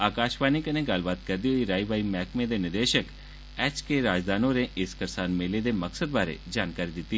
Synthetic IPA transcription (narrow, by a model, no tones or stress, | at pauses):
aːkaːʃbaːnikənẽɡɐlbaːt̪kɛɾd̪iɦoiɾaːiʋaːimɛːkmẽd̪eːnɪɾd̪eːʃək | ɛːt͡ʃkeɾaːd͡ʒd̪aːnõːɾeʔɪskəɾsaːnmeːled̪eməksəd̪̚baːɾḛd͡ʒaːnkaːɾid̪ɪt̪ːi